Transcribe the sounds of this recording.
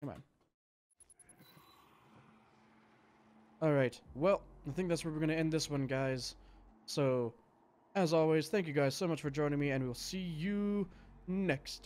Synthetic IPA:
mã̰ɪ̃n | ɔlˠɹaɪtwɛlˠaɪθɪ̃ŋk̚ðætswə˞wəɹɡʌ̃ɾ̃nɨɛ̃nðɪswʌ̃nɡaɪz̥soʊ | ɨzɔlˠwiz̥θæ̃ŋk̬jʉɡaɪz̥soʊmʌt͡ʃfə˞d͡ʒɔ̃ɪ̃ñɪ̃ŋmiɨ̃nwiwlˠsijɨ | nɛkst

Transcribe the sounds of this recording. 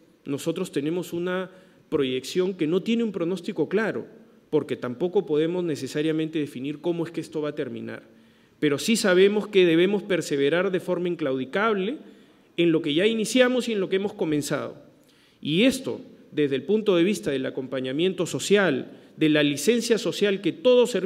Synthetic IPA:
no̞so̞t̪ɾo̞st̪e̞ne̞mo̞suna | pɾo̞ʝe̞ksjo̞ŋke̞no̞t̪je̞neumpɾo̞no̞st̪iko̞klaɾo̞̰ | po̞ɾke̞t̪ampo̞ko̞po̞ð̞e̞mo̞zne̞se̞saɾjamẽnt̪e̞ðe̞finiɾko̞moe̞skeest̪o̞βat̪e̞ɾmḭ̃na̰ɾ | pe̞ɾo̞sisaβ̞e̞mo̞ske̞ðe̞β̞e̞mo̞spe̞ɾseβe̞ɾaɾðe̞fo̞ɾmaiŋklawðikaβ̞le̞ː | nlo̞ke̞ʝainisjamo̞sie̞nlo̞keemosko̞mẽ̞nsa̰ð̞o̞̰ | ie̞st̪o̞̰ | ðe̞zðelpunt̪o̞ð̞e̞βist̪að̞e̞lako̞mpaɲamjẽ̞nt̪o̞so̞sjal | d̪e̞lalise̞nsjaso̞sjalke̞t̪o̞ð̞o̞seɾ

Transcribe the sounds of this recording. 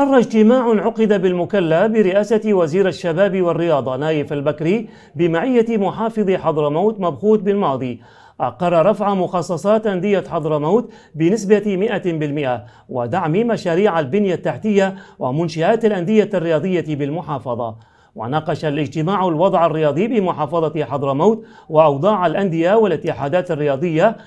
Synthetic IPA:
ʔɑrˤːɑd͡ʒt̪ɪmaːʕʕʊqɪd̪abɪlmʊkalːafbɪɾɪʔaːsawaziːɾaʃːabaːbiwarːɪjɑːd̪ˤɑnaːjɪfalbakɾiː | bɪmaʕɪjːamʊħɑːfɨðˤiħɑd̪ˤɾmawt̪mabxuːt̪̚bɪlmɑːd̪ˤi | ʔaqɑɾˤːɑɾˤɑfʕamʊxɑsˤːɑsˤɑːt̪ʔand̪ɪjːaħɑd̪ˤɾmawt̪ | bɪnɪsbamɪʔabɪlmɪʔa | wɪd̪aʕmimaʃaːɾiːʕalbɪnjat̪ːaħt̪ɪjːawɪmʊnʃaʔaːt̪alʔand̪ɪjːarːɪjɑːd̪ˤɨjːabɪlmʊħɑːfɑðˤɑ̰ | wa̰nɑːqɑʃalʔɪd͡ʒt̪ɪmaːʕalwɑd̪ˤʕarːɪjɑːd̪ˤibɪmʊħɑːfɑðˤɑt̪ħɑd̪ˤɾmawt̪ | wɪʔɑwd̪ˤɑːʕalʔand̪ɪjawɪlʔɪt̪ːɪħaːd̪aːt̪arːɪjɑːd̪ˤɨjːa

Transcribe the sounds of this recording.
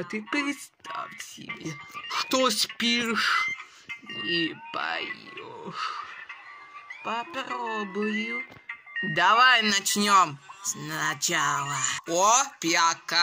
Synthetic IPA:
t̪ɨpɾʲɪt̪st̪ʰa̰fsʲɪ̰bʲeʂt̪osʲpʲiʂ | ipɐ̰jjo̰ʂ | pɐpɾobʊjʊ | d̪ɐvajnɐt͡ɕnʲomsnɐt͡ɕalˠɐopʲjaka

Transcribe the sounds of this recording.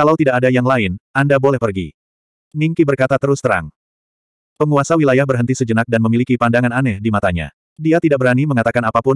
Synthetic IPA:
kalawt̪idaʔadajaŋlaɪnʔandabolɛhpərɡḭ | niŋkibərkat̪at̪əɾʊst̪əɾa̰ŋ | pəŋuasawilajahbərɦənt̪isəd͡ʒənak̚danməmilikipandaŋananɛhdimat̪aɲa̰ | diat̪idak̚bəɾaniməŋat̪akanapapʊn

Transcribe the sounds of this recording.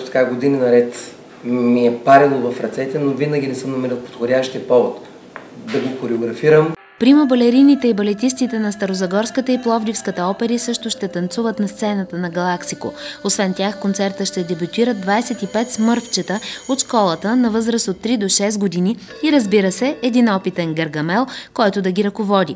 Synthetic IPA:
ot̪ɐ̥kaɡod̪ininɐɾɛt̪ | miɛpaɾilˠovɐfɾɐt̪sɛt̪ɛnovinəɡʲinɛsɤmnɐmɛɾilˠpo̥t̪xodʲaʃt̪iɐpɔvot̪ | d̪ɐɡokoɾɛoɡɾɐfiɾəm | pɾiməbɐlɛɾinit̪ɛibɐlɛt̪ist̪it̪ɛnɐst̪ɐɾozɐɡɔɾskət̪əiplˠɔvd̪ifskət̪əɔpɛɾisɤʃt̪ʊʃt̪ɛt̪ɐnt̪suvət̪nɐst̪sɛnət̪ənɐɡɐlˠaksiko̰osvɛnt̪ʲjaxkont̪sɛɾt̪əʃt̪ɛd̪ɛbʲut̪iɾəd̪d̪vajsɛt̪ipɛt̪smɤɾft͡ʃɛt̪əot̪ʃkɔlˠət̪ənɐvɤzɾəsot̪ːɾid̪oʃɛst̪ɡod̪iniː | ɾəzbiɾəsɛːd̪inɔpit̪ɛnɡɐɾɡɐmɛlˠkɔjt̪ʊd̪ɐɡʲiɾɐkovɔd̪ʲi

